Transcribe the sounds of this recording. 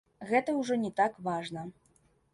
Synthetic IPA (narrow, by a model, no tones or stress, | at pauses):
ɣɛt̪ɐwʐɔnʲɛt̪akvaʐnɐ